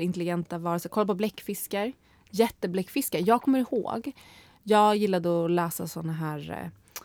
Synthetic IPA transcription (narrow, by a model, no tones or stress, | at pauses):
ɪnt̪əlɪɡɛnt̪avɑːɾəsɛkɔlːapʰɔblɛkːfɪskaɾ | jɛt̪ːəblɛkːfɪskaɾjɑːɡkʰɔmːəɾɪho̰ːɡ | jɑːɡjɪlːad̪əɔlɛːsa̰sɔnːaɦæːɾ